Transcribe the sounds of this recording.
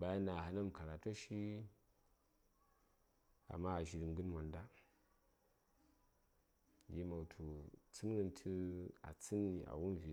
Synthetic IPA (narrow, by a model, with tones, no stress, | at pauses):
ba˨ja˦na˨ɦa˦na˦m˨ka˨ɾa˨to˦ʃi˦ | a̰˨mːa˦a˨ʒi˨ɾi˨mɡɨ˦nmʷa˨nda˦ | ji˦ma˨tʰu˨t͡sɨ˦n˦ɡɨ˦ntʰi˦a̰˨t͡sɨ˦ni˨ʔa̰˨wu˦n˨vi˨